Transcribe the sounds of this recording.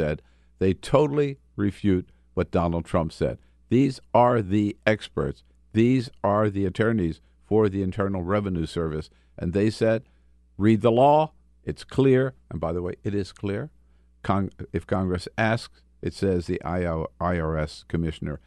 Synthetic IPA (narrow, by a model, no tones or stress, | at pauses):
ɛd̪̚ | ðeɪtʰoʊɾl̩ˠi | ɹɪfjʉt̚ | wʌt̚d̥ɑnl̩ˠd̚tʰɹ̥ʌ̃mpsɛ̰d̪̚ | ðizə˞ðiɛkspə̰˞ts | ðizə˞ðiɨtʰɜ̃˞niz̥ | fə˞ðiɨ̃ntʰɜ˞nl̩ˠɹɛvɨnʉsɜ˞vɨs | ʔɨ̰̃nðeɪsɛd̚ | ɹid̪̚ðəlɔ | ɨtskʰl̥ɪɹʔə̃nbaɪðəweɪʔɨɾɪz̥kʰl̥ɪɹ | kʰɑ̃ɨfkʰɑ̃ŋɡɹɨsæsks | ʔɨtsɛzðiʔaɪɛskʰɨmɪʃɨnə̰˞